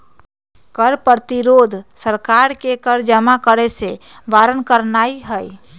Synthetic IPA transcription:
kəɾpəɾt̪iɾod̪ʱsəɾkaɾkekəɾd͡ʒəmakəɾɛse | ʋaɾənkəɾnaiɦəj

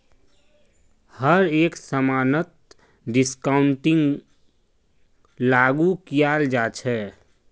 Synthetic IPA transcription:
həɾeksəmanət̪̚ | ɖiskaʊɳʈiŋɡ | laɡukijald͡ʒat͡ʃʰɛ

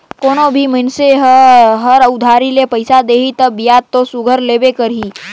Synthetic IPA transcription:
koːnobʱimənseɦɦəɾəʊd̪ʱaɾilepəjsad̪eːɦit̪əbjad̪̚t̪ːosʊɡʱəɾlebekəɾɦi

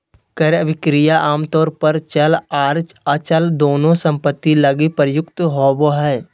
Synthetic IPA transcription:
kəɾəʋɪkɾɪjaʔaːmt̪ɔːɾpəɾt͡ʃɐlaːɾt͡ʃɐt͡ʃəld̪oːnõsə̃mpət̪ːilɐɡipəɾjʊkt̪ɦoːboɦɛː

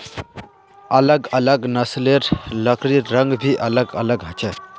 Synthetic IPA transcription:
ɐləɡɐləɡnɐsleɾləkʰɾiɾəŋɡbʱiʔɐləɡɐ̰ləɡɦɐt͡ʃʰə

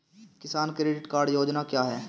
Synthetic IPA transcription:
kɪsaːnkɾeːɖɪʈkaːɾɖjoːd͡ʒnakjaːɦɛː

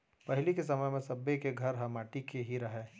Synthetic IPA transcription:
pɐɦɪlikesɐməjmẽsɐbːekeɡʱɐɾɦɐmaːʈikeɦiɾɐɦeː

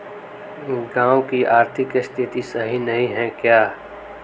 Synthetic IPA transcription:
ɡãːwkiʔaːɾt̪ʰɪkɪst̪ʰɪt̪isɐɦinɐɦĩɦɛ̃kjaː

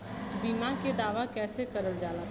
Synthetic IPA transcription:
t̪biːmãked̪aːʋakɛːsekɐɾəld͡ʒaːla

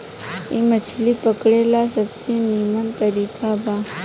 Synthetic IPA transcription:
ḭmət͡ʃʰlipəkɽelasəbseniːmənt̪əɾiːkabaː

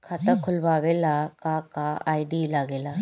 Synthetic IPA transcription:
kʰat̪əkʰʊlʋaːʋelakakaa̰ːiɖilaɡela

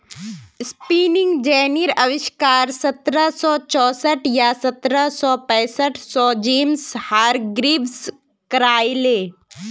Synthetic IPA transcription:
spiːnɪ̃ŋɡd͡ʒɛːniɾɐʋɪʃkaːɾsɐt̪ɾəsɔːt͡ʃɔːsəʈjasɐt̪ɾəsɔːpɛ̃ːsəʈʰsɔːd͡ʒeːmshaːɾɡɾiːbs | kɐɾaːileː

